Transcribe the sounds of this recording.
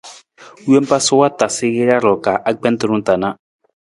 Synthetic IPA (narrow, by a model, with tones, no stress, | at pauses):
ɛ˦m˦pa˦sɔ˦wa˦ta˨se˦ɣe˦ɾa˦ɾɔ˨ka˨ʔa˦k͡pɛ˦nt̪ɔ˨ɾũ˦nta˨na˦